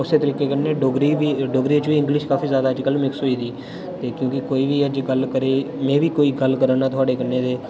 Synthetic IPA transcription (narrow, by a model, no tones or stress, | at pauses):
ʊseːt̪əɾiːkeːkəneːɖoɡɾiːʋiːɖoːɡɾeːt͡ʃʋiːɪ̃ŋɡlɪʃkaːfʰiːzjaːd̪aːəd͡ʒkəlmɪksɦoːiːd̪iː | t̪eːkjõːkɪkoːiːʋiːəd͡ʒɡəlkəɾeːmɛ̃ːʋiːkoːiːɡəlkəɾaːnaːt̪ʊaːɖeːkənːeːd̪eː